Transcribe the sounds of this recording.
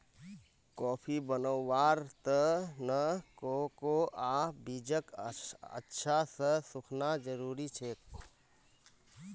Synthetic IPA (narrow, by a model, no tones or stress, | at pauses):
kɔːpʰibənəːaːɾt̪ənəkokoaːbid͡ʒəkə̰tːʃʰasəsʊkʰnad͡ʒəɾuːɾit͡ʃʰeːk